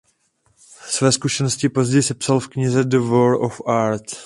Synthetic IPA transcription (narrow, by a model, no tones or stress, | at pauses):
svɛːskuʃɛnoscɪpo̞zɟɛjsɛpsalfkɲɪzɛdəvolʔofaɾt̪